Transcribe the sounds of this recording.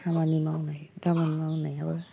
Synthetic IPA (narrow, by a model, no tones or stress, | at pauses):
amanimawnajdamanimawnajabɯ